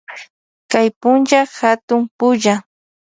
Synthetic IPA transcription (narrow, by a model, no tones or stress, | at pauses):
kajpʊnt͡ʃaxat̪ʊmpʊʒa